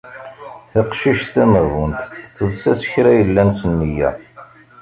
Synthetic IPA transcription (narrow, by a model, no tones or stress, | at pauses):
θəqʃiʃt̪æməɣunt̪θəðsæsə̥çɾæjəlːænsənːijæ̰